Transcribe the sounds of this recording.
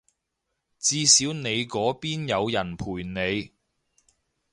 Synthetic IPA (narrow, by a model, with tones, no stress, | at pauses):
t͡siː˧siː˨˥wne˨˧jkɔː˨˥piː˥njɐ˨˧wjɐ˨˩npʰuː˨˩jne˨˧j